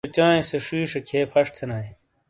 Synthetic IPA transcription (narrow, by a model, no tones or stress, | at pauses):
t͡ɕãːĩseʂiːʂɐkʰeːpʰɐʂt̪ʰenaːi